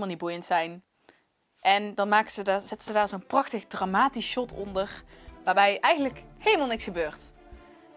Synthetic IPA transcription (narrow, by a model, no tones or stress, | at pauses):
lmalˠnit̚bujəntsɛjn | ʔɛndɑnmaːkəzədaz̥ɛtənz̥ədaːɹzoːnprɑxtəxdramaːtisʃɔtʰɔndəɹʋaːɹbɛjʔɛjχənləkhejləmalˠnɪksxəbøːɹt